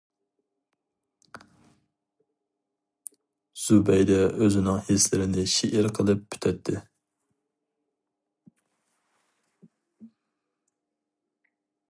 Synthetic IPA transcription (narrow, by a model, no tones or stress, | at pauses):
z̥ubɛjd̪ɛʔøzɪnɪŋhislɪɾɪnɪʃiʔɪɾqʰəlˠɨp̚ːʰy̥t̪ʰɛt̪ʰːɪ